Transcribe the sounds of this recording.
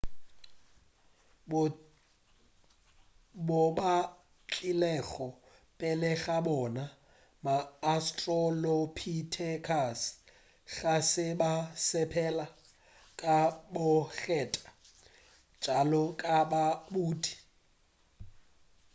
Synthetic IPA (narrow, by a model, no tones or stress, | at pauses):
bɔba | t͡ɬʼilɛɣɔ | pʼɛlɛɣabɔna | maːstʼrɔlɔpʰitʰɛkʰas | ɣasɪbasɛpʰɛla | kʼabʊɣɛːtʼḁ | t͡ʃʼalɔkʼababuːtʼi̥